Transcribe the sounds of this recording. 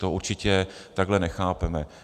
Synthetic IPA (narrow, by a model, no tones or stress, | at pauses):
t̪oʔuɾt͡ʃɪcɛt̪aɡɦlɛnɛxaːpɛmɛ